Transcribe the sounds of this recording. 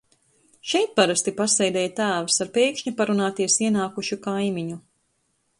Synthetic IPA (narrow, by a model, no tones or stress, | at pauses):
ʃɛjt̪̚paɾast̪ipasɛjd̪ɛjt̪æːvɨsaɾpɛjkʃɲupaɾunaːt̪iɛsiɛnaːkuʃukajmiɲu